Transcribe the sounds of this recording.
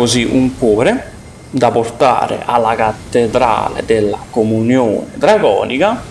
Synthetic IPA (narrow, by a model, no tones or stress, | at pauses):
oziʔuŋkwɔːɾe | d̪aport̪a̰ːɾɪ̰ʔalːakat̪ːed̪ɾa̰ːlḛd̪elːakomunjoːnɪd̪ɾaɡɔ̰ːnika